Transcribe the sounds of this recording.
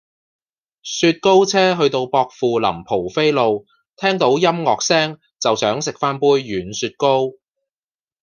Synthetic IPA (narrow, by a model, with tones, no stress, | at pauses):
syː˧t̚ko˥wt͡sʰɛː˥ɦɵ˧ɥt̪o˧wpɔː˧k̚fuː˨lɐ̰˨˩mpʰo˨˩wfe˥jlo˧w | t̪ʰɛː˥ŋt̪o˨˥wjɐ˥mŋɔː˨k̚sɛː˥ŋ | t͡sɐ˨wsœː˨˥ŋsɪ˨k̚faː˥npuː˥jɥyː˨˩nsyː˧t̚ko˥w